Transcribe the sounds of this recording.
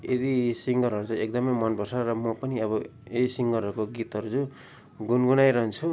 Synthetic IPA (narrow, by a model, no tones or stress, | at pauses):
ed̪isiŋɡʌɾɦʌɾud͡zuek̚d̪ʌmʌjmʌnbʱʌsarʌmʌpʌniʌβʌedisiŋɡʌɾɦʌɾukoɡit̪ɦʌɾud͡zu | ɡunɡunajɾʌɦnt͡sʰu